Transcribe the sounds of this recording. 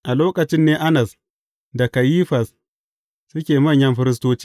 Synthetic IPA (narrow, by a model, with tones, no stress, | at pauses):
ʔa˨loː˦kɐ˨t͡ʃɪ˦nːeː˦ʔa˦nɐ˨s | da˨ka˨jiː˦ɸɐ˨s | sʊ˦kʲeː˨mɐ˦˨ɲjɐ˦mɸɪ˦ɾɪ˦s̬toː˦t͡ʃi̥ː˦